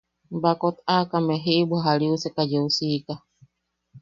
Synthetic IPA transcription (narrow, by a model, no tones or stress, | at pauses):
bakot̪akameɦibuaɦaliusɛkad͡ʒeusika